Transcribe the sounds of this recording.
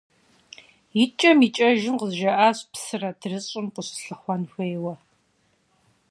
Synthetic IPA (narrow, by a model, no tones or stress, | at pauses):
jit͡ʃʼɐmit͡ʃʼɐʒɪmqəzʒɐʔaːɕpsɨrɐdʰrɨɕʼɪmqʷʊɕɬɨχʷɔnxʷeːwɐ